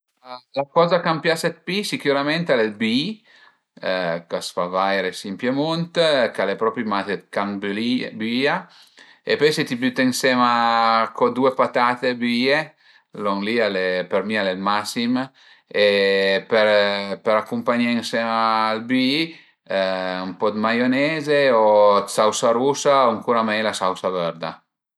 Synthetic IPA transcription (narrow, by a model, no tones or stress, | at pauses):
lakɔzakampjasɛt̪̚pisikjuɾament̪alelbii | kasfavajɾesimpjemont̪kalepɾɔpɾimat̪et̪kaŋblibia | epɔjset̪ibyt̪ːiŋsɛmakɔd̪uepat̪at̪ebie | lɔŋlialepeɾmialelmasim | epeɾpeɾakumpaɲeŋsɛmaːlbi | umpɔd̪majonɛzeosawsaɾusauŋkuɾamɛjlasawsavɛɾd̪a̰